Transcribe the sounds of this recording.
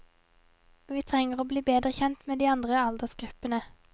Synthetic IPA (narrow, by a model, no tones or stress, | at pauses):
ʋiːt̪ʰʁɛŋəʁoːbliːbeːd̪ʁəçɛnt̪meːd̪iːɑnd̪ʁəɑld̪əʁsɡ̥ʁʉpənə